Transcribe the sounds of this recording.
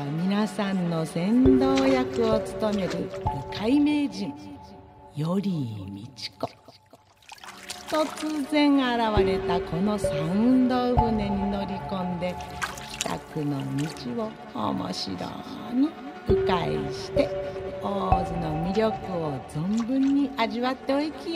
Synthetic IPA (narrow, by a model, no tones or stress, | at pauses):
mʲinasãnːo̞sẽ̞nd̪oːjakɯ̟ot͡sɨ̥t̪o̞me̞ɾɯ̟bɯkaime̞ːd͡ʑĩŋ | jo̞ɾʲimʲit͡ɕi̥ko̥ | t̪o̞t͡sɨzẽ̞ɰaɾaβaɾe̞t̪ako̞no̞sãɯ̃nd̪o̞ɯɡɯne̞ɲ̟ino̞ɾʲikõ̞nd̪e̞kʲi̥t̪a̰kɯ̟no̞mʲit͡ɕiβo̞̰ː | mo̞̰ɕḭɾo̰ | ɲ̟i | ɯ̟kaḭɕi̥t̪e̞oːzɨno̞mʲiɾʲjo̞kɯ̟o̞zõmbɯ̟̃ɲ̟ːiʔaʑiβat̪ːe̞oikʲi